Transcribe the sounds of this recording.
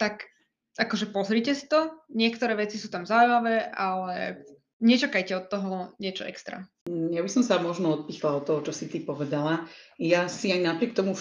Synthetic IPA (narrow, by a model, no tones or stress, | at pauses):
t̪ak | akɔʒɛpɔzɾiːcɛsi̥t̪ɔɲɪɛkt̪ɔɾɛːʋɛt͡sisuːt̪amzaujmaʋɛːʔalɛ | ɲɛt͡ʃakajcɛɔt̪ːɔɦɔɲɪɛt͡ʃɔɛkst̪ɾa̰ | jabisɔmsamɔʒnɔɔt̪̚piːxlaɔt̪ːɔɦɔt͡ʃɔsit̪ipɔʋɛd̪alajasiaɲnapɾɪɛk̚t̪ɔmu